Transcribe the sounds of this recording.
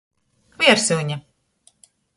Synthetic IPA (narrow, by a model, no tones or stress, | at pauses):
viɛɾsuɲa